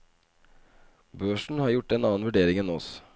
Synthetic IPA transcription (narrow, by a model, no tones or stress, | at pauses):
bøːʂɳ̩hɑːɾjʊʈːɛnɑːn̩ʋʉɖeːɾɪŋɛnɔs